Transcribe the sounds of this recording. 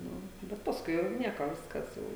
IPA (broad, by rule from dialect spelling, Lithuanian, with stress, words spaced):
ˈnʊ bʲɛt pɐsˈkʊɪ jɛʊ ˈnʲiɛkoː ˈʋʲɪskɐs jɛʊ